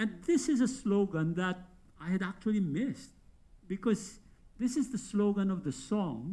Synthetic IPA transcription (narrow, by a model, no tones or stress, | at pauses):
ɛ̃nd̪ɪsɪzəsloʊɡə̃nd̪æt̚ | aɪhɨɾæk̚t͡ʃuəlˠimɪst | bɪkɔz | d̪ɪsɪzðəsloʊɡə̃nɔvðəsɔ̃ŋ